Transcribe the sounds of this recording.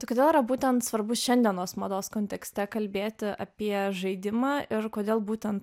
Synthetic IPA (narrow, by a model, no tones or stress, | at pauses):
t̪ɐɪkoːd̪ʲeːlˠiːɾɐbuːt̪ʲɛnt̪sʋɐɾbʊʃʲɛnʲd̪ʲiɛnoːsmɐd̪oːskoːnʲt̪ʲɛksʲt̪ʲɛkɐlʲbʲeːt̪ʲɪɐ̰pʲiɛʒɐɪd̪ʲɪmɑːʔɪɾkoːd̪ʲeːlˠbuːt̪ʲɛnt̪